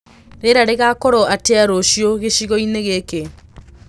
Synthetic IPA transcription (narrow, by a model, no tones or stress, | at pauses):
ɾeɾaɾeɣakɔɾoateaɾoɕjoɣeɕiɣɔineɣeke